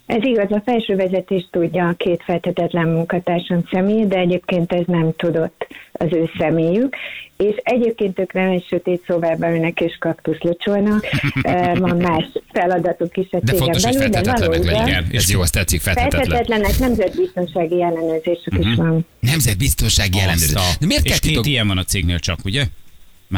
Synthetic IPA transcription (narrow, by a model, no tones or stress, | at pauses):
ɛziɡɒzɒfɛlʃøːvɛzɛt̪eːʃt̪uɟːɒkeːt̪fɛlt̪hɛt̪ɛt̪lɛmmuŋkɒt̪aːrʃɒnsɛmeːd̪ɛɛɟeːpkeːnt̪ɛznɛmt̪ud̪o̞t̪ːɒ̰zøːsɛmeːjykeːʃɛɟeːp̚keːnt̪øːkrɛnɛcʃøt̪eːt̪sovaːrbɛynɛkeːʃkɒpt̪uslot͡ʃo̞lnɒk | vɒnmaːʃfɛlɒd̪ɒt̪ukiʃɛt̪d̪ɛeːoɡɛmbɛlyld̪ɛvɒloːɛb̪ɛnjoɛst̪ɛt̪sikfɛlfɛlt̪ɛɛt̪ɛt̪lɛnɛknɛmzɛd̪̚bist̪o̞nʃaːɡiɛlːɛnøːrzeːʃykiʃʋɒn | nɛmzɛd̪̚bist̪o̞nʃaːɡiɛlːɛnøzenɛmeːrt̪kɛlt̪iot̪ijɛɱvɒnɒt̪seːɡnḛːlt͡ʃɒ̰kuɟɛ | m